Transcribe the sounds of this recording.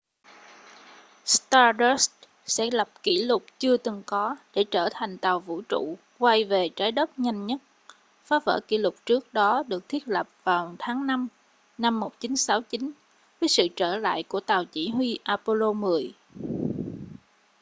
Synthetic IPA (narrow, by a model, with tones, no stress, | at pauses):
st̪aː˧ɗə˦˥s | sɛ̰˧˥lə˨˩p̚ki˧˩lʊ˨˩k͡p̚t͡ɕɨ˧ət̪ɨ˨˩ŋkɔ˨˦ɗe˧˩t͡ɕəː˧˩t̪ʰa˨˩jŋ̟t̪a˨˩wvṵ˧˥t͡ɕṵ˧˨ | kwa˧jve˨˩t͡ɕaː˨˦jɗə˦˥p̚ɲa˧jŋ̟ɲə˦˥t̚ | faː˨˦və̰ː˧˩kḭ˧˩lʊ˨˩k͡p̚t͡ɕɨ˦˥ək̚ɗɔ˨˦ɗɨ˨˩ək̚t̪ʰi˦˥ət̚lə˨˩p̚v̥aː˨˩wt̪ʰaː˨˦ŋna˧m | na˧mːo˨˩t̚t͡ɕi˨˦nsa˨˦wt͡ɕi˨˦n | vəː˨˦jsɨ̰˧˨t͡ɕəː˧˩la̰ː˧˨jku˧˩ət̪aː˨˩wt͡ɕi˧˩ɦwi˧ʔaː˧po˧lo˧mɨ˨˩əj